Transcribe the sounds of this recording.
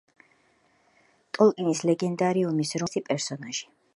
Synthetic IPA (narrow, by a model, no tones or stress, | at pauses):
t̪ʼɔlˠkʼinislɛɡɛnd̪aɾiumisɾɔsipʼɛɾsɔnaʒi̥